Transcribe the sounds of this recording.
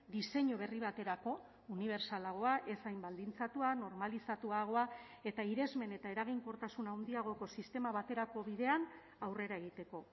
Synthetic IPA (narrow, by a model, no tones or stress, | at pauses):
d̪ise̞ɲoβ̞e̞riβ̞at̪e̞ɾako̞ | uniβ̞e̞ɾsalaɣ̞o̞aʔe̞sajmbald̪int͡sat̪uano̞ɾmalisat̪uaɣ̞o̞a | e̞t̪aiɾe̞zme̞ne̞t̪ae̞ɾaɣ̞iŋko̞ɾt̪asunawnd̪iaɣ̞o̞ko̞sist̪e̞maβat̪e̞ɾako̞βiðe̞an | awre̞ɾae̞ɣ̞it̪e̞ko̞